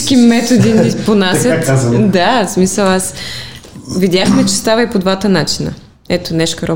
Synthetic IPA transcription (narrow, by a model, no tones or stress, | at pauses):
kimɛt̪od̪iniponasʲət̪d̪asmisəlˠas | vid̪ʲjaxmɛt͡ʃɛst̪avəipod̪vat̪ənat͡ʃi̥nə̰ | ɛt̪onɛʃkɐɾɔ